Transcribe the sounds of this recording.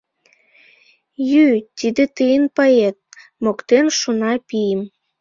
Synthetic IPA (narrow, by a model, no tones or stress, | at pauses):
jyt̪ʲid̪et̪ɨjənpəet̪̚mokt̪enʃunɑpijəm